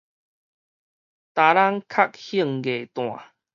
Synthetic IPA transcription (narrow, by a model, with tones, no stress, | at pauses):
t̪a˨˦la˦ŋkʰa˦˨k̚hi˥˧˨ŋɡe˨˩t̪w̃ã̰˨